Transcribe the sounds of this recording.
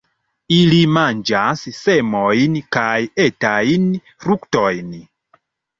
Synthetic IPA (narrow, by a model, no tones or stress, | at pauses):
ilimand͡ʒassemojnkajetajn | fɾuktojn